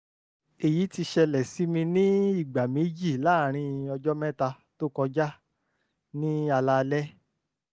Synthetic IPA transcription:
e˨ji˨˦ti˧ʃɛ˧lɛ˨si˨˦mĩ˧nĩ˦i˦˨ɡ͡ba˨me˨˦d͡ʒi˦˨laː˦˨ɾ̃ĩ˧ɔ˧d͡ʒɔ˦mɛ̃˦ta˧ | to˦kɔ̃˧d͡ʒa˦ | nĩ˦a˧la˦˧lɛ˦

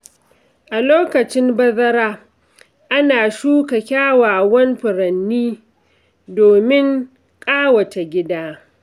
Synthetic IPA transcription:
ʔa˨loː˦kɐ˨t͡ʃɪ˦mbɐ˦zɐ˦ɾaː˦ | ʔa˦naː˨ʃuː˦kɐ˨kʲaː˦waː˨wɐ˦nɸʊ˨ɾɐ˨nːiː˦ | doː˨mɪ˦ŋ | kʼaː˦wɐ˨t͡ʃa˨ɡʲɪ˦daː˦

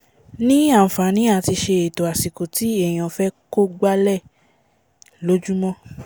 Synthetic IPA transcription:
nĩ˦ã˦˨fa˨˦nĩ˨˦a˦˨ti˧ʃe˧e˨to˨a˨si˨ko˨ti˨˦ɛ˦˨j̃ɔ̃˨fɛ˦ko˦˨ɡ͡ba˦lɛ˦˨ | lo˨˦d͡ʒu˦mɔ̃˦

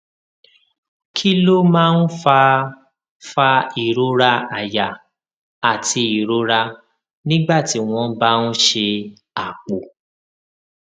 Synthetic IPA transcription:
kʰi˦lo˦mãː˦n̩˦fa˧ | fa˧i˨ɾo˨˦ɾa˧a˨ja˨ | a˨tʰi˧i˨ɾo˨˦ɾa˧ | nĩ˦ɡ͡ba˦˨ti˨˦w̃ɔ̃˧ba˦n̩˦ʃe˧ | a˨k͡po˨

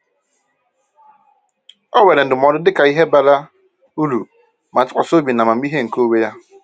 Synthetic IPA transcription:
ɔ˦we˨ɾe˨n̩˨dɪ˨m˨ɔ˨dʊ˦dɪ˦ka˨i˦ɦe˦ba˨la˦ | u˦lu˨ | ma˨tʊ˦kʷa̰˨so˦bi˨na˨ma˨m̩˦i˦ɦe˦ŋ̩˨ko˦we˦ja˦

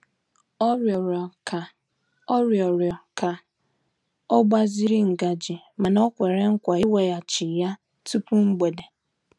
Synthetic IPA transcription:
ɾa˨ | ɔ˦ɾjɔ˨ɾjɔ˨ka˨ | ɔ˦ɡ͡ba˦zi˦ɾi˦ŋ̩˨ɡa˨d͡ʒi˨ | ma˨nɔ˦kʷe˨ɾe˦ŋ̩˦kʷa˨i˦we˨ja˨t͡ʃi˨ja˦ | tu˦pu˦ŋ͡m̩˦ɡ͡be˨de˨

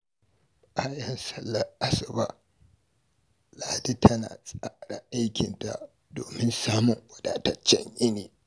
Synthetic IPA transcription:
ʔa˦jɐ˨nsɐ˦lːɐ˨a˦sɐ˨ba̰˦ʔ | laː˨di˦tʰɐ˦na̰ː˨sʼaː˦ɽa̰˨ʔa˦jkʲɪ˨nta̰˨ʔ | doː˨mɪ˦nsaː˦mʊ˨ŋʔʷɐ˨daː˨tɐ˦t͡ʃːɛ̰˦ɲʔɪ˦niː˨

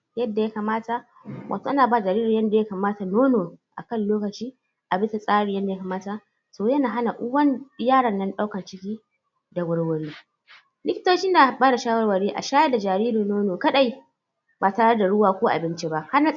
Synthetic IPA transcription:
jɐ˦dːa˨ja˦ka˨maː˦ta˨ | wʔa̰˨toː˨ʔa˦naː˨ba˦˨d͡ʒa˨ɾiː˦ɾi˨jɐ˦nda˨ja˦kaː˨maː˦ta˨noː˦noː˨ʔa̰˨kɐ˦˨nloː˦kɐ˨t͡ʃiː˦ | ʔa˨bɪ˦sa˨sʼaː˦ɽi˨jɐ˦nda˨ja˦ka˨maː˦ta˨ | soː˨jɐ˦naː˨ɦa˦na˨ʔʊ˦wɐ˦n˦jaː˦ɽɐ˨nːɐ˦nɗa˦wkɐ˨nt͡ʃɪ˦kʲiː˦ | da˨wɐ˦ɽwɐ˨ɽiː˦ | lɪ˦kʲɪ̥˦toː˦t͡ʃɪ˦nda˨baː˦da˨ʃaː˦wɐ˦rwɐ˨ɽiː˦ʔa̰˨ʃaː˦ja˦da˨d͡ʒaː˨ɾiː˦ɾi˨noː˦noː˨kɐ˦ɗa˨ji˦ | baː˨taː˨ɽɐ˦da˨ɽʊ˦waː˨kʷo˦ʔa̰˨bɪ˦nt͡ʃi˦ba˦ʔha˦na˨

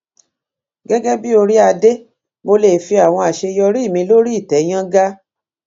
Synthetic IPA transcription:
ɡɛ˦ɡɛ˦bi˦o˧ɾi˦a˧de˦ | mo˧le˨fi˧a˨w̃ɔ̃˧a˨ʃe˧jɔ˧ɾi˦˨mĩ˧lo˦ɾi˦i˦˨tɛ˨˦j̃ã˦ɡa˦

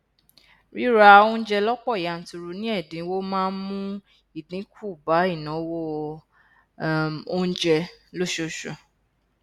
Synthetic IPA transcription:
ɾi˦ɾa˧õ˦˧˦d͡ʒɛ˧lɔ˦k͡pɔ˦˨ja˨n̩˨tu˧ɾu˧nĩ˦ɛ˦˨dĩ˨˦wo˦mãː˦nmũ˦ | i˦˨dĩ˨˦kʰu˦˨ba˨˦i˦˨nã˨˦wɔ˦ | o˧˦d͡ʒɛ˧lo˦ʃo˧˨ʃo˨

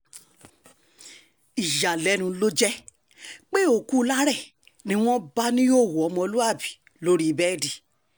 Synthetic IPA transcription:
i˨ʃa˨lɛ˨˦nũ˧lo˦d͡ʒɛ˦ | k͡pe˦o˦˨ku˦˧˦la˦ɾɛ˦˨ | nĩ˦w̃ɔ̃˦ba˦nĩ˦o˦˨wo˨ɔ˨˧mɔ̃˧lu˦a˦˨bi̥˨ | lo˦ɾi˦i˧bɛ˦˨di˨

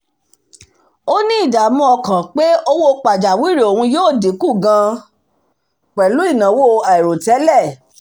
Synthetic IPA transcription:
o˦nĩ˦i˦˨da˨mũ˧ɔ˧kã˨k͡pe˦o˧wo˧k͡pa˨d͡ʒa˨wi˦ɾi˨o˨hũ˧joː˦˨di˨˦ku˦˨ɡã˧ | k͡pɛ˨lu˨˦i˦˨nã˨˦wo˦a˨ɛ˨ɾo˨tɛ˨˦lɛ˦˨

